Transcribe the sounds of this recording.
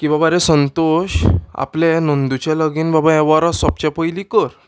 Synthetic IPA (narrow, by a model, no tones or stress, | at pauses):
kĩʋabaɾẽsənt̪oɕa̰plɛ̃nond̪ut͡ɕaləɡiːnbabaɛʋaɾasɔp̚t͡ɕapəjlikəɾ